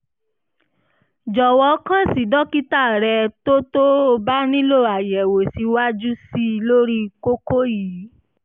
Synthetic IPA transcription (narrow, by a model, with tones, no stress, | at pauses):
d͡ʒɔ˨wɔ˧˦kã˦si˨dɔ˦ki˦ta˦˨ɾɛ˧to˦to˦o˧ba˦nĩ˦lo˦˨a˨jɛ˨wo˨si˨˧˦wa˦d͡ʒu˦si˦˧lo˦ɾi˦ko˦ko˦ji˨˦